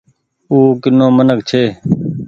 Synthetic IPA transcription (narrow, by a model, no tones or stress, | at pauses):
uːkɪnːõːmənəkt͡ʃʰeː